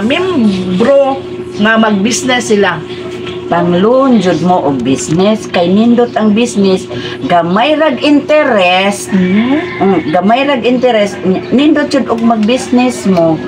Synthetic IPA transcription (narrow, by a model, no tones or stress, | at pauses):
mɪmbɾo | ŋamaɡ̚bisnɛsːɪla | paŋlʊnd͡ʒʊd̪̚moʔʊɡ̚bisnɛskajnind̪ʊt̪aŋbisnɛs | ɡamajɾaɡʔɪnt̪ɛɾɛs̩ | ɡamajɾaɡɪnt̪ɛɾɛsnɪnd̪ʊt̪̚t͡ʃʊd̪ʊɡ̚maɡ̚bisnɛsmo